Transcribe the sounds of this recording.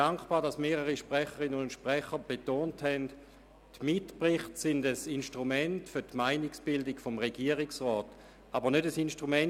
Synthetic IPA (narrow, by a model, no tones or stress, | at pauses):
aŋkb̥aːdasmeːʁəʁiʃpʁɛχəʁɪnənʊntʃpʁɛχəb̥etoːnthɛnd | tmɪtpʁɪχtsɪndəsinʃtʁumɛntfʏɐtmaɪniksb̥ɪldɪkfɔmʁeɡiːɐʁɪksʁɔːt | ʔabənødəsinʃtʁumɛn